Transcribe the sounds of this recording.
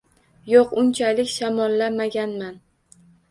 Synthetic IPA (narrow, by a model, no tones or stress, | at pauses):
joqʊnt͡ʃʰalɪkʲʃamɒlˠːamaɡʲanman